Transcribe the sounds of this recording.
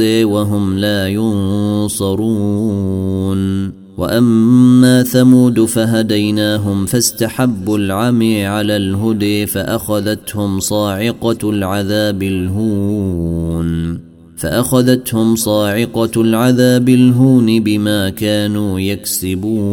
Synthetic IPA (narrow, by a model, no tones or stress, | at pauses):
ɪwaɦʊmlaːjʊnsˤɑɾˤuː | n | wa̰ʔamːaːθamuːd̪faɦad̪ajnaːɦʊmfast̪aħabːalʕamiʕalaːlɦʊd̪ɪfaʔaxaðat̪hʊmsˤɑːʕɪqɑlʕaðaːbɪlɦuːn | faʔaxaðat̪hʊmsˤɑːʕɪqɑlʕaðaːbɪlɦuːnɪbɪmaːkaːnuːjaksɪbuː